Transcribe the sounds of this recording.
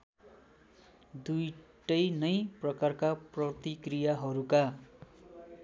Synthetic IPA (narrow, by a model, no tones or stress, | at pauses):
d̪ujʈʌjnʌjprʌkarkaprʌt̪ikrijaɦʌɾuka